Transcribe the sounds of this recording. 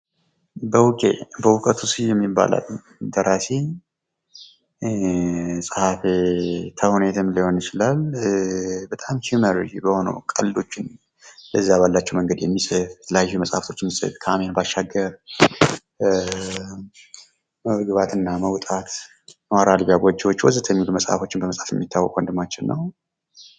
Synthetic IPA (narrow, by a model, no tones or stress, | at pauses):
bəwʊkʼḛbəwʊkʼət̪ʰusijɛmːibːa̰la̰l | d̪əɾase | sʼəhafet̪ʰəhunet̪ʰɨmliho̞njɪt͡ʃɪlal | bət̪ʼamhuməɾd͡ʒbəho̞nə̰wkʼəllo̞t͡ʃːɪn | ləzːaβalːat͡ʃːɛwməŋɡəd̪jɛmːisʼɨflajhiməsʼha̰ft̪ʰo̞t͡ʃːmːisʼɨ̰ðkʰamenbaʃːaɡːəɾ | məβɡɨβat̪ɨnːaməwt̪ʼat̪ | mwaɾalbijaɡɔd͡ʒːiwot͡ʃːwɔzɨt̪ʰəɲːiluməsʼha̰fo̞t͡ʃːɪnbəməsʼafjɛmːit̪ʰːawːɔ̰kʼwənd̪ɨmːat͡ʃːɪnːəw